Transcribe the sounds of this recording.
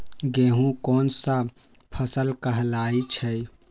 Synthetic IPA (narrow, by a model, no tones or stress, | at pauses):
ɡeːɦũkɔːnsa | pʰəsəlkɐɦlaːit͡ʃʰɛi